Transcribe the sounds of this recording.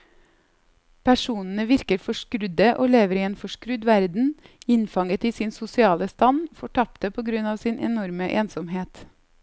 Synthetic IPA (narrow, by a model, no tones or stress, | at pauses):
pʰæʂuːnn̩əʋɪɾkəɾfɔʂkɾʉd̪əʔoːleːʋəɾiːeːnfɔʂkɾʉd̪ʋæɾd̪n̩ɪnfɑŋət̪iːsɪnsʊsɪɑːləst̪ɑnfɔʈʰɑp̚t̪əpʰoːɡɾʉnɑːʋsɪnʔɛ̰nɔɾməʔḛːnsɔmɦeːt̪